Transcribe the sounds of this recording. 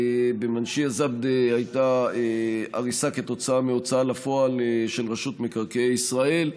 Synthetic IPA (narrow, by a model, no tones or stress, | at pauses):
bemanʃiazab̚d̪ehajt̪aea̰ʁisake̞t̪o̞t͡saameo̞t͡saalafo̞alʃe̞lʁaʃut̪mekaʁkeeisʁae̞l